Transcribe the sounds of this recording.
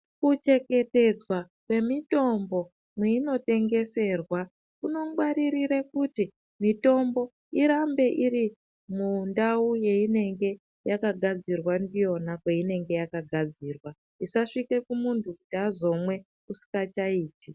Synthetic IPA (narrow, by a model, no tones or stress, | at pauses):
kut͡ʃe̞ke̞te̞d͡zwa | kwe̞mito̞mbo̞ | mweino̞te̞ŋɡe̞se̞ːrwa | kuno̞ɡwaɾiɾiɾekuti | mito̞mbo̞ | iɾambe̞ʔiɾi | mundauje̞ine̞ŋɡe̞ | jakaɡʱad͡zirwandijo̞nakweine̞ŋɡe̞jakaɡʱad͡ziːrwa | isaʂike̞kumuntʰukutiazo̞mwe̞ | usi̥kat͡ʃaiːti